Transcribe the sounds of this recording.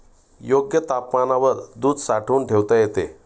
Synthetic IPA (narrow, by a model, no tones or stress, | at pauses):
joɡjət̪apmanaʋəɾd̪uːd̪saʈʰuːnʈʰeʋt̪əjet̪e